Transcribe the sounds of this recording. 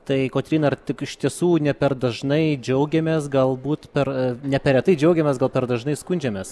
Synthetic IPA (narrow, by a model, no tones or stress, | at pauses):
t̪ɐɪkoːt̪ʲɾʲiːnɐɐrt̪ʲɪkɪʃt̪ʲiɛsuːnʲɛpʲɛrd̪ɐʒnɐɪd͡ʒʲɛʊɡʲɛmʲeːsɡɐlˠbuːt̪pʲɛrnʲɛpʲɛɾʲɛt̪ɐɪd͡ʒʲɛʊɡʲɛmʲeːsɡɐlˠpʲɛɾd̪ɐʒnɐɪskʊnʲd͡ʒʲɛmʲeːs